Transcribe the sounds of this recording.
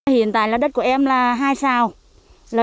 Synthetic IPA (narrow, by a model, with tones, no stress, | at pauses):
hḭ˧˩˨ənt̪a̰ː˧˨jlaː˨˩ɗə˦˥t̚ku˧˩əʔɛ˧mlaː˨˩ɦaː˧jsaː˧˩w | ləː˨˩